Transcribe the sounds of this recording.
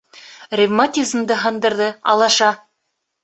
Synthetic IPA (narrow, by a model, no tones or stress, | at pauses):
rʲɪvmat̪ʲizmd̪ɤɦɤ̆nd̪ɤ̆ɾðɤɑ̰lˠɑʃɑ